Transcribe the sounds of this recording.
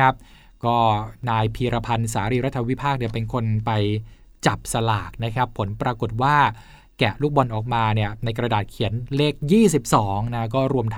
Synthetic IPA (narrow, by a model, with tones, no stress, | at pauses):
a˦˥p̚ | kɔː˥˩naː˧jpʰiː˧ɾa˧pʰa˧nsaː˩˦ɾiː˧ɾa˦˥t̪ʰːa˧wi˦˥pʰaː˥˩k̚ni˥˩pe˧nkʰo˧npa˧j | t͡ɕa˨˩p̚sa˧laː˨˩k̚na˦˥kʰa˦˥pʰːo˩˦npɾaː˧ko˨˩t̪̚waː˥˩ | kɛ˨˩luː˥˩k̚bɔ˧nʔɔː˨˩k̚maː˧ni˥˩ɐna˧jkɾa˧daː˨˩t̪̚kʰi˩˦ənle˦˥k̚jiː˥˩si˨˩p̚sɔː˩˦ŋna˦˥kɔː˥˩ɾu˧əmt̪ʰ